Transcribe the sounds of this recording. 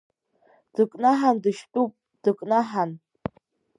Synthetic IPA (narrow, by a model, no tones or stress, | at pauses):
d̥ɨkʼnaħandɨʃtʼupʼ | d̥ɨkʼnaħan